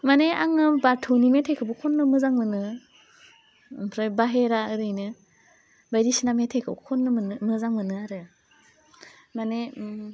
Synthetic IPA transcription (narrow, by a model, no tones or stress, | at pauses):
maneaŋɯbaɾtʰownimetʰakʰɯbukʰɔnːɯmɯzaŋmɯnɯ | mpʰɾajbaɦeɾaɯɾɯjnɯ | bajdisinametʰejkʰɯbukʰɔnːɯmɯnmɯzaŋmɯnɯaɾɯ | mane